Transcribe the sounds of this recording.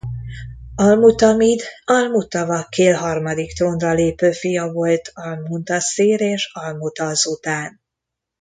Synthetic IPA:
ɒlmut̪ɒmid̪ɒlmut̪ɒvɒkeːlɦɒrmɒd̪ikt̪onrɒleːpøːfijɒvo̞lt̪ʰɒlmunt̪ɒsiːɾeːʃɒlmut̪ɒzut̪aːn

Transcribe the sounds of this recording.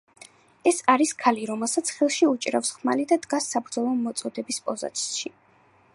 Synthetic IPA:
ɛsaɾiskʰaliɾɔmɛlˠsat̪sʰχilˠʃiut͡ʃʼɾa̰fsχmalid̪ad̪ɡasːabɾd̪zɔlˠɔmɔt̪sʼɔd̪ɛbispʼɔza̰t̪ʰʼʃi

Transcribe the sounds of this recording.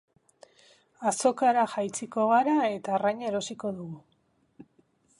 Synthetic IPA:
aso̞kaɾaxajt͡siko̞ɣ̞aɾae̞t̪aːrajɲeɾo̞siko̞ðuɣu

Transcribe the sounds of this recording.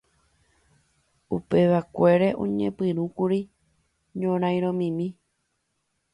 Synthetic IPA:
upe̞ʋakʷe̞ɾeʔõ̰ɲḛ̃pɨɾ̃ũkuɾi | ɲõɾ̃ãj̃ɾ̃õmĩmĩ

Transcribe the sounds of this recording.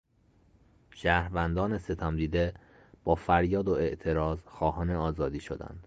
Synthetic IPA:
ʃæːɾvænd̪ɒːnese̞t̪ʰæmd̪iːd̪e | b̥ɒːfæɾjɒːd̪oeʔt̪ʰe̞ɾɒːzxɒːhɒːne̞ɒːzɒːd̪iːʃo̞̰d̪æ̰nd̪̥

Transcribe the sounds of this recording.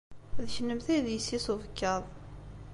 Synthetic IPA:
ðəçənːəmθæjðjəsːisuvəkːɑðˤ

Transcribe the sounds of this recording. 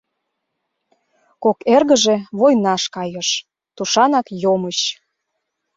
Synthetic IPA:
kokerɣə̆ʒeβojnɑʃkɑjəʃ | t̪uʃɑnɑkjoməɕ

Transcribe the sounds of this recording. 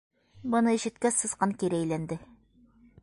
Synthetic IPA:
bɤ̆nɤiʃɘ̆t̪̚kæsɤ̆sqɑŋkiɾɘæjlænd̪ɘ

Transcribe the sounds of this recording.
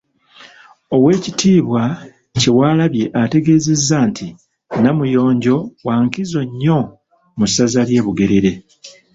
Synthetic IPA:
o̞we̞ːcitʰiːβwa | ce̞waːlaβje̞ʔate̞ɡe̞ːze̞zːantʰi | namujo̞ːɲɟo̞waːŋkizo̞ɲːo̞ | musazalje̞ːβuɡe̞ɾe̞ɾe̞

